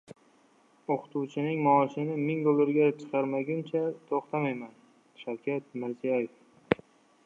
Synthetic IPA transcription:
oqʰɨ̥t̪ʰuwt͡ʃʰɪnɪŋmɒːʃɪnɪmɪŋd̪olˠːɪɾɡʲat͡ʃʰɨ̥qʰɑɾmaɡʲɪmt͡ʃʰat̪ʰoχt̪ʰamajman | ʃawkʲʰat̪̚mɪɾzijajef

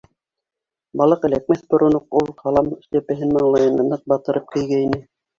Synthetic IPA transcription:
bɑlˠɤqɘ̆læk̚mæθbŏɾŏnoqulˠqʰɑlˠɑm̆ʃt̪æpɘ̆ɦɘnmɑ̆ɴlˠɑjɤnɤ̆nɤq̚bɑt̪ɤ̆ɾʔɤp̚kɘ̆jɡæinɘ

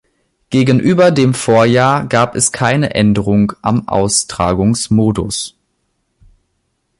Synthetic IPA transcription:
ɡ̥eːɡən̩ʔyːbɐdeːmfoːɐjaːɐɡaːpɛskʰaɪnəʔɛndəʁʊŋʔa̰mʔa̰ʊstʁ̥aːɡʊŋsmoːdʊs

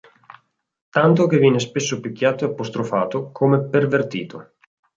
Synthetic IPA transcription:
t̪ant̪ok̟evjɛːnespesːopikʲːjaːt̪oeapːost̪ɾofaːt̪okʰomepervert̪iːt̪ʰo

